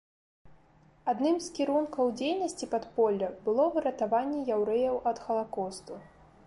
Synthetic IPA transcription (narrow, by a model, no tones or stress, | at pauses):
ad̪nɨmskʲiɾunkɐwd͡zʲejnɐsʲt͡sʲipɐt̪pɔlʲːɐbɨlˠɔvɨɾɐt̪avanʲːɛjawɾɛjɐwʔɐt̪xɐlˠakɔst̪u